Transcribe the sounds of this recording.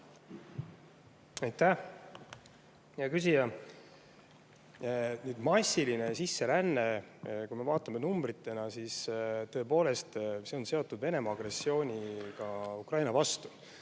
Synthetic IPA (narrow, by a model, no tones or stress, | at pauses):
ɑjt̪ːæh | jɑkys̬ijɑ | nyːd̪̥mɑsiline̞sisːe̞lænːekujme̞vɑːt̪ːˑɑme̞numb̥ɾit̪ːe̞nɑsist̪ɤ̞epo̞ːle̞st̪se̞o̞nse̞o̞t̪ːˑud̪ve̞ne̞mɑːɡ̥re̞sːio̞ːnʲikɑukrɑjnɑvɑst̪u̥